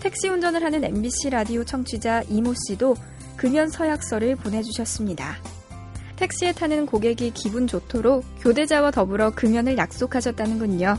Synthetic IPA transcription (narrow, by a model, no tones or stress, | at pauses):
tʰe̞k̚ɕ͈iund͡ʑʌnɯɭɦanɯne̞̰mbiɕʰiɾadiot͡ɕʰʌŋt͡ɕʰid͡ʑaʔimoɕ͈ido | kɯmjʌnsʰʌjak̚s͈ʌɾɯɭponɦe̞d͡ʑuɕʰʌs͈ɯmɲida | tʰe̞k̚ɕ͈ie̞tʰanɯnkoɡe̞ɡikibund͡ʑotʰoɾokjode̞d͡ʑawatʌbɯɾʌkɯmjʌnɯɭjak̚s͈okʰaɕʰʌt̚t͈anɯnɡɯɲo